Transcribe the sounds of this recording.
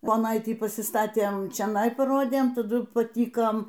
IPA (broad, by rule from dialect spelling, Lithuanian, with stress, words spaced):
poːˈnɐɪtʲiː pɐsʲɪˈstɑːtʲeːm t͡ʃʲoːˈnɐɪ pɐˈroːdʲeːm tɐˈdʊ pɐˈtʲiːkoːm